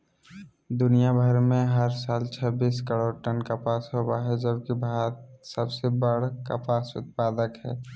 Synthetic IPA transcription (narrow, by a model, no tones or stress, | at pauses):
d̪ʊnijabʱəɾmẽɦəɾsaːlt͡ʃʰəbiːskəɽoʈənkapaːsɦobaɦɛd͡ʒəb̚kibʱat̪səbsebəɽka̰paːsʊ̰t̪̚paːd̪əkɦɛ̰ː